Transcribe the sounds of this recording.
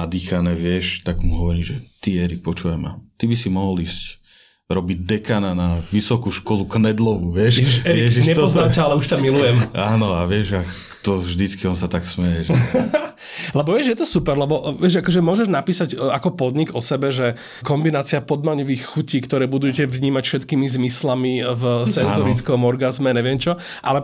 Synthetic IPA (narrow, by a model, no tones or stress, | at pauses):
ad̪iːxanɛːʋɪɛʃt̪aɡmuɦɔʋɔɾiːʒɛt̪iɛɾik̚pɔt͡ʃuʋajma̰t̪ibisimɔɦɔliːsc | ɾɔbiɟ̚d̪ɛkaːnanaʋisɔkuʃkɔluknɛd̪lɔʋuʋɪɛʃɛɾiɛʒɲɛt̪znamcaalɛuʃcamilujɛmaːnɔaʋɪɛʒak | t̪ɔʒd̪it͡skiɔnsat̪aksmɛjɛʒɛ | lɛbɔʋɪɛʒjɛt̪ɔsupɛɾlɛbɔʋɪɛʒakɔʒɛmʊɔʒɛʒnapiːsacakɔpɔd̪ɲiɡɔsɛbɛʒɛ | kɔmbinaːt͡siapɔd̪̚maɲɔʋiːxxuciːkt̪ɔɾɛːbud̪ujɛcɛʋɲiːmacfʃɛt̪kiːmizmislamivsɛnzɔɾit͡skɔmɔɾɡazmɛɲɛʋɪɛmt͡ʃɔ | ʔa̰lɛ